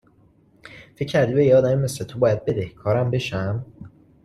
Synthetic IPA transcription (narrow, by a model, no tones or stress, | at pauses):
fe̞cʰːæɾd̪ibejeɒːd̪æmemeslet̪ʰobɒːjæd̪̚be̞d̪ehkʰɒːɾæmbe̞ʃæm